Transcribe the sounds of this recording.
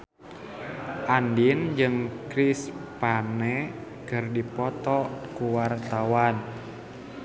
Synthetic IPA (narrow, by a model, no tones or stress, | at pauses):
ʔandind͡ʒɨŋkɾispanɛ | kɨrdipɔt̪ɔkuwart̪awan